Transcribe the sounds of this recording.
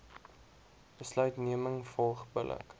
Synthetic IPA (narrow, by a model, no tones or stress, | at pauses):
bəslœɥtniəməŋfɔlˠχbəlʔə̰k